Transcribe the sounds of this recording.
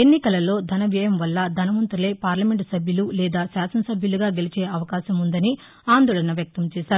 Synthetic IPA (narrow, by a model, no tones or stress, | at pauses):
enːikɐlɐlo̞ːd̪ʱɐnɐʋjɐjɐmʋɐlːɐd̪ʱɐnɐmɐnt̪ɾule̞ːpaːɾlɐme̞ɳʈsɐbʱjɐlulɛːd̪aːsaːsɐnɐsɐbʱjɐluɡaːɡe̞lit͡ʃeːɐʋɐkaːʃɐmund̪ɐni | aːnd̪oːɭɐnɐʋjɐk̚t̪ɐmt͡ʃɛːʃaːɾu